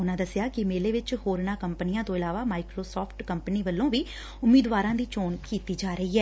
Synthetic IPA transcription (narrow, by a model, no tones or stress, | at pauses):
ʊnãːd̪əsɪjaːkɪmeːleːʋɪt͡ʃhoːɾnaːkəmpənɪjãːt̪õːɪlaːʋaːmaːɪkɾoːsɔːpʰʈkəmpəniːʋəlːõːʋiː | ʊmːiːd̪ʋaːɾãːd̪iːt͡ʃoːnkiːt̪iːd͡ʒaːɾəiːɦɛː